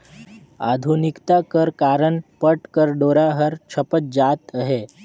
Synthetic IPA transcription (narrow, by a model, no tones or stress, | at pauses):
a̰d̪ʱunikt̪akəɾkaɾəɳpəʈkəɾɖoɾaɦəɾt͡ʃʰəpət̪̚d͡zat̪əɦe